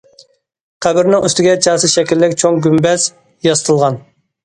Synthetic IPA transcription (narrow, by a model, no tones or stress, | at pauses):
qʰæbɪɾnɪŋyst̪ɪɡʲɛt͡ʃʰɑːsɨʃɛkʲilːɪkʲt͡ʃʰoŋɡʲymbɛz̥ | jɑst̪ʰəlˠʁɑn